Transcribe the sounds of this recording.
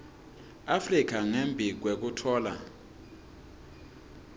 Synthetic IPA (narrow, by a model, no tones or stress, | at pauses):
afrik̬ʰaŋembʱik̬wek̬utʰɔːla̰